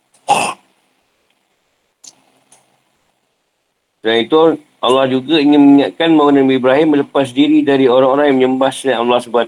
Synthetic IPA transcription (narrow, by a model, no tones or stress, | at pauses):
səɾait̪u | ʔalːɑhd͡ʒuɡaiŋɪnməniɲaʔkanmaunanbibɾaɦɪmːələpas̬diɾidaɾioɾaŋoɾaŋjaŋməɲəmbahsəaalːɑhsəbat̪̚